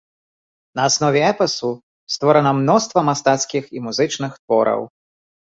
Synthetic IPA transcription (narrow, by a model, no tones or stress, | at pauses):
nɐːsnɔvʲɛɛpɛsu | st̪vɔɾɐnɐmnɔst̪vɐmast̪at̪skʲiximuzɨt͡ʂnɨxt̪vɔɾɐ̰w